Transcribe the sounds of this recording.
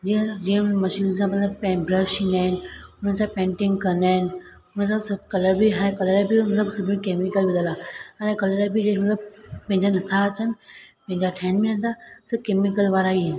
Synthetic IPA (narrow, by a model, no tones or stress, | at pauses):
d͡ʑĩd͡ʑiːə̃mɐʃiːnsãmɐt̪ləb̚pɛ̃bɾəʃĩnaːɦɪnɪ̆ʊn̤ənsãpẽːɳʈɪ̃ŋɡkɐ̃nd̪aːɦɪnɪ̆ | ʊnəns̬ãsɐkɐləɾbʱiɦaːɽ̃ẽkɐləɾabʱimɐt̪ləbsʊbʱim̃keːmɪkəlʋɪləlaaːɽ̃ẽkɐləɾabʱid͡ʑemɐt̪ləbpɐ̃ɦɪ̃ɲd͡ʑanɐt̪ʰaɐt͡ɕənɪ̆pɐ̃ɦɪ̃ɲd͡ʑaʈʰɛ̃ːnmẽənt̪ʰasəkemɪkəlʋaːɾaɦin